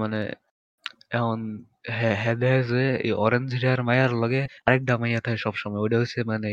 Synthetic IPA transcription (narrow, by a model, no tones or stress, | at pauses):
manḛ | ɛmɔn | ɦɛɦɛd̪ɛzeḛjɔɾend͡ʑiɾiaɾmajaɾlɔɡeaɾɛk̚ɖamajat̪ʰakeʃɔbʃɔmɔjoɖiɦojsʰemane